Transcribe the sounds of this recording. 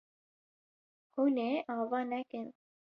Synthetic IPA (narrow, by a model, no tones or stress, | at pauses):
huːneːʔɑːvɑːnɛkɨn